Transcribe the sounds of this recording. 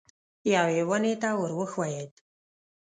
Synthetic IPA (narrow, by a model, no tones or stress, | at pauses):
jɑwewənet̪awəɾwəxwajed̪